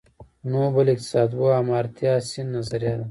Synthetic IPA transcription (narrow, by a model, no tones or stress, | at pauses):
noːbɐlik̚t̪i̥saːd̪boamaːɾt̪jaːsinːɐzɐɾjaːd̪ɐ